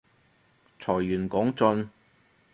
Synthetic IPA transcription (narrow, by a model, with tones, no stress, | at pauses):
t͡sʰɔː˨˩jːyː˨˩nkɔː˨˥ŋt͡sɵ˧n